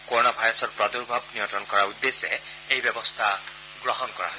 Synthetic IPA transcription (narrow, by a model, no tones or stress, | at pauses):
koɹɔnabʱajɹɔsɔtpɹɔd̪uɹbʱab̚nijɔntɔnkɔɹaud̪ːesɛ | ejbebɔst̪ʰa | ɡɹɔɦɔnkɔɹa̰ɦ